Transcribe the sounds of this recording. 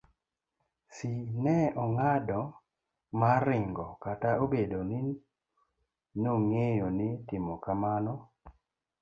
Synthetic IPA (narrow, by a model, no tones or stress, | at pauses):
sinɛɔŋadɔ | maɾɪŋɡɔkataobedonɪ | noŋejonɪtɪmɔkamanɔ